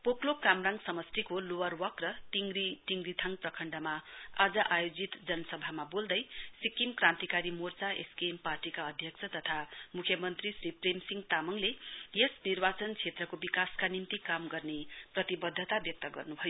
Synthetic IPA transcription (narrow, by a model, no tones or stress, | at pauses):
poklokamraŋɡsʌmʌst̪ikolowʌrwʌkrʌtiŋɡɾit̪iŋɡrit̪ʰaŋprʌkʰʌɳɖʌmaad͡zʌʔajod͡zit̪d͡zʌnʌsʌbʱamabold̪ʌjsikimkrãnt̪ikaɾimort͡saʔḛskemparʈikaʌd̪ʱjʌksʰʌt̪ʌt̪ʰamukʰjʌmʌnt̪risripremsiŋt̪amʌŋlejesnirbat͡sʌnt͡sʰet̪rʌkobikaskanint̪ikamɡʌrneprʌt̪ibʌd̪ʱːʌt̪abjʌk̚t̪ʌɡʌ̰rnubʱʌjo